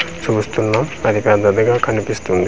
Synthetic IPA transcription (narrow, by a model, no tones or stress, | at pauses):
t͡ʃuːst̪unːaːmɐd̪ipɛd̪ɐd̪ɐɡaːkɐnipist̪und̪i